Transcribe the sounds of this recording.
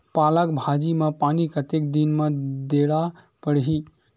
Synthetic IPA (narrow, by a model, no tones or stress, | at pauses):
palək̚bʱad͡ʒimapanikət̪ek̚d̪inmad̪eɽa | pəɽɦi